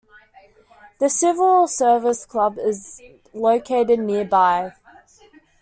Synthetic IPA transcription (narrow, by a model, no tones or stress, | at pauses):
ðəsɪvəlˠsɜːvəɪskʰl̥ʌbɪz | ləʊkʰeɪɾɪdⁿnɪəbaɪ